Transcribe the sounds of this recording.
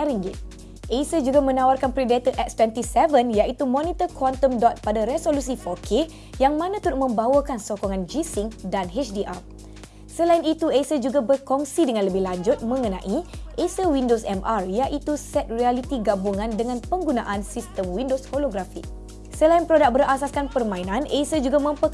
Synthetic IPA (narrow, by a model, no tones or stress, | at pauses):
ɛɾiŋɡit̪̚ | ʔesəd͡ʒuɡamə̃nãwarkanpɾidet̪əʔɛk̚st̪wɛnt̪isɛvənjait̪umɔ̃nit̪əkʰɔnt̪əmdɔt̪̚padaɾesolus̬ifɔkʰe | jaŋmãnãt̪uɾʊk̚mə̃mbawakansokɔŋãnd͡ʒisiŋdanɦet͡ʃdiʔa̰r | səlainit̪uesəd͡ʒuɡabərkɔŋsidəŋãnləbɪhlaɲd͡ʒʊt̪̚mə̃ŋənãʔiʔesəwindosɛmʔarjaʔit̪usɛt̪̚rialit̪iɡabuŋãndəŋãnpəŋɡunãʔansist̪əmwindosfoloɡɾafi | səlainpɾodak̚bəɾasaskanpərmãinãnʔesəd͡ʒuɡamə̃mpə